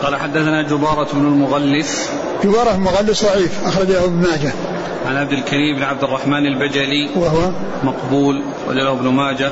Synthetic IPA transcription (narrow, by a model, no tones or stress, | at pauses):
qɑːlaħad̪ːaθanad͡ʒʊbɑːɾˤɑbnʊlmʊɣalːɪs | d͡ʒʊbɑːɾˤɑlmʊɣalːɪsðˤɑʕiːfʔɑxɾˤɑd͡ʒlahʊbnmaːd͡ʒa | ʕanʕab̚d̪ɪlkaɾiːmɪbnʕab̚d̪ɪrˤːɑħmaːnalbad͡ʒaliwaɦwa | mɑqbuːl | ɑ̰d͡ʒalahɪbnʊmaːd͡ʒa